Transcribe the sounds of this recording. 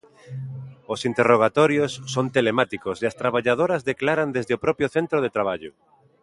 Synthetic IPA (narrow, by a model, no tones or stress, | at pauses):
osint̪eroɣ̞at̪ɔɾjosːont̪elemat̪ikoseast̪ɾaβaʎað̞oɾazðeklaɾand̪ezðeopɾɔpjoθent̪ɾoð̞et̪ɾaβ̞aʎʊ